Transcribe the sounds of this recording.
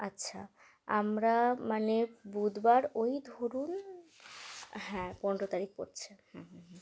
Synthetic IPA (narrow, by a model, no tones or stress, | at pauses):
atːɕʰa̰ | amɾamanebud̪baɾojd̪ʱoɾun | ɦɛ̃pɔnɖɾot̪aɾik̚po̰ɾt͡ɕʰehɛ̃ɦɛ̃ɦ